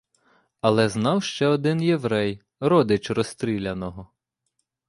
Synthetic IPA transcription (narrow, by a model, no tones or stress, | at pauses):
ɐlˠɛznɑwʃt͡ʃɛɔd̪ɪnjeʋɾɛj | ɾɔd̪ɪt͡ʃrɔst̪ɾʲilʲɐnɔɦɔ